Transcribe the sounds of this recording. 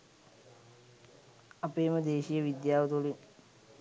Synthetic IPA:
ɐpeːməd̪eːʃijəʋid̪jaːʋɐt̪ulin

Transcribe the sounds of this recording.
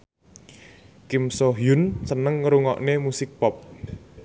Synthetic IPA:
kimsoɦjʊnsənəŋːɾuŋɔ̰ʔnemusɪk̚pɔp̚

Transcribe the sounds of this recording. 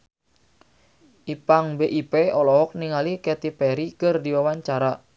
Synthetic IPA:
ʔipaŋbeʔipeɔlɔɦɔk̚niŋalikɛt̪ipɛɾikərdiwawaɲt͡ʃaɾa

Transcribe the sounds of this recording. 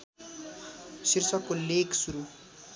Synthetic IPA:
sirsʌkːoleksuɾu

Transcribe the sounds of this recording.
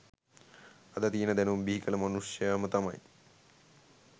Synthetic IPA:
ɐd̪ɐt̪iːnɐd̪enɐumbiɦikɐlɐmɐnuʂjaːmɐt̪ɐmɐ̰j

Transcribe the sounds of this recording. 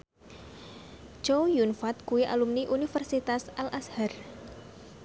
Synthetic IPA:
t͡ʃowjunfat̪̚kuiʔa̰lumniʔunifərsit̪asʔalʔashar

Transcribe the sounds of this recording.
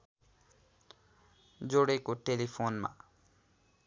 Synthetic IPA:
d͡zoɽekoʈelipʰonma̰

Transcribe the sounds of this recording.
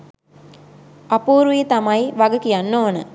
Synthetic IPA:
ɐpuːɾujet̪ɐmɐjʋaɡəkijanːoːnə

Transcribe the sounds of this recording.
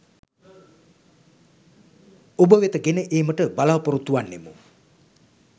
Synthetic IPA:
obəʋet̪əɡenəʔeːməʈəbalaʋəpoɾut̪ːuʋanːemu

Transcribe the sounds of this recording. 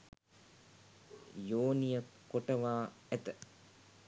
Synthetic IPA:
joːnijəkoʈɐʋaːæt̪ə

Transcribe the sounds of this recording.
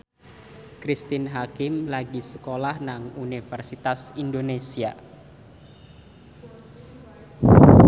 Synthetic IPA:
kɾist̪inɦakɪmlaɡisə̥kolahnaŋunifɛrsit̪asindonesia̰

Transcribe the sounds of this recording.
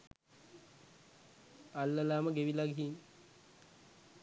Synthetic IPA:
alːəlaːməɡeʋilaɡɦin

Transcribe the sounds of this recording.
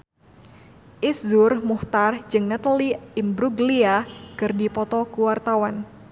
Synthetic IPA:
ʔiszʊrmuht̪ard͡ʒɨŋnat̪aliimbɾuɡliakɨrdipɔt̪ɔkuwart̪awan

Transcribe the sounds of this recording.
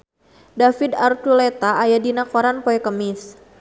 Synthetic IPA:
dafidart̪ulet̪aːjadinakoɾanpoɛkəmɪs

